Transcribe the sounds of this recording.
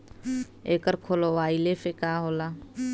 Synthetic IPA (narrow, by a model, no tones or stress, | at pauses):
eːkəɾkʰoːloʋaːilefekaːɦoːla